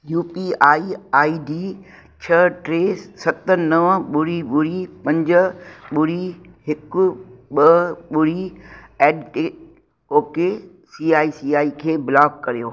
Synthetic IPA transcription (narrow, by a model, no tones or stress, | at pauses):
juːpiaːiaːiɖiː | t͡ɕʰɐʈɾeːssɐt̪ənɐʋəɓʊɽiɓʊɾipɐ̃ɲd͡ʑ̆ɓʊɾiɦɪkʊɓɐɓʊɾiɛːɖʈeː | oːke | siːaːisiːaːikʰeːbɪlaːkːɐɾijoː